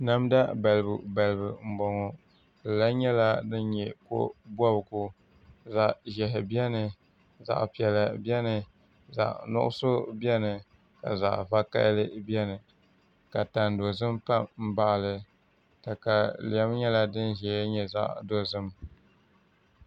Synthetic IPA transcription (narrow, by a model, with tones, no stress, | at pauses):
na˦mda˦ba˨lɨ˨bu˨ba˨lɨ˨bɨ˨m̩˨bɔ˨ŋɔ˨ | dɨ˨la˦ɲɛ˦la˦nɨ˦nɲɛ˨ko̰˦bɔ˦bɡu˦ | za˨ʔʒɛ˨ɦɪ˨bi˦ɛ˦nɨ˨ | za̰˨ʔpi˨ɛ˨la˨bi˦ɛ˦nɨ˨ | za̰˨ʔnʊ̰˦ʔʊ̰˦so˦bɛ˦nɨ˨ | ka̰˨za̰˨ʔva˦ka̰˦lɨ˦bjɛ˦nɨ˨ | ka˨ta˨ndo˨zɨ˦mpa˦mm̩˦ba˦ʔlɨ˨ | ta˨ka˨li˨ɛ˦m˦ɲɛ˦la˦dɨ˦nʒɛ˨˦ɲɛ˨za̰˦ʔdo˨zɨ˦m